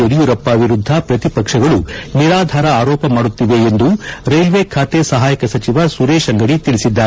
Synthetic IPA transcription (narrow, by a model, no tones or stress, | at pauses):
oɾijuɾɐpːaːʋiɾud̪ʱːɐpɾɐt̪ipɐkʂɐɡɐɭuniɾaːd̪ʱaːɾɐaːɾɔːpɐmaːɽut̪ːiʋe̞ːnd̪uɾɐjʋekʰaːt̪esɐɦaːjɐkɐsɐt͡ʃiʋasuɾeːʃɐŋɡɐɽit̪iɭisid̪ːaːɾe